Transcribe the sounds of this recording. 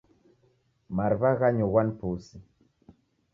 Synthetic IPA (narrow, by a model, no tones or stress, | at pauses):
maɾβaɣaɲowanpusi